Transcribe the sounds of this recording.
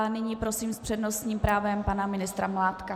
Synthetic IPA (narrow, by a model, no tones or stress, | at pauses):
nɪɲiːpɾo̞siːmspr̝̥ɛdno̞st̪ɲiːmpɾaːvɛmpanamɪnɪst̪ɾamlaːt̪ka